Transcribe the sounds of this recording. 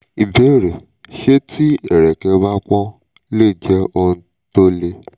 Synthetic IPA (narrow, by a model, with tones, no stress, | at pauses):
i˨be˨˦˨ɾe˨ | ʃe˦tʰi˦ɛ˦˨ɾɛ˨kɛ˧ba˦kʷɔ̃˦ | le˦˨d͡ʒɛ˦o˧n̩˦ | to˦le˧